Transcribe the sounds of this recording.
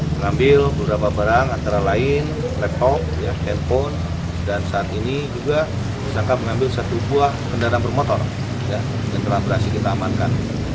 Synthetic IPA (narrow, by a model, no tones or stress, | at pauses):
məŋambɪlbəbəɾapabaɾaŋant̪aɾalaɪn | lɛpɔk̚jakɛnpɔn | dansaːt̪inid͡ʒuɡa | disaŋkaməŋambɪlsat̪ubuahkəndaɾanbərmot̪ɔr | ja | jaŋt̪əlahbəɾasikit̪aːmankan